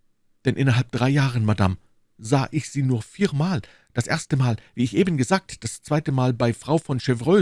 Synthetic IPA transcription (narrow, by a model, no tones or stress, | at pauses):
d̥ɛnʔɪ̰nɐɦalp̚d̥ʁaɪjaːʁənmada̰m | zaːʔɪçz̥iːnuːɐfiːɐmaːl | d̥asʔḛɐstəmaːlviːɪçʔeːbən̩ɡəzaːk̚td̥ast͡sv̥aɪtəmaːlbaɪfʁ̥aʊfɔnʃevʁøː